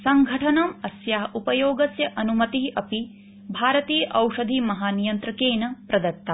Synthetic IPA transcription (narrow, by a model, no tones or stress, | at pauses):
sɐŋɡʱɐʈʰɐnɐmɐsjaːɦɐupɐjoːɡɐsjɐʔɐnumɐt̪iɦʔɐpi | bʱaːɾɐt̪iːjɐʔɐwʂɐd̪ʱimɐɦaːnijɐnt̪ɾɐkeːnɐpɾɐd̪ɐɾt̪ːɐ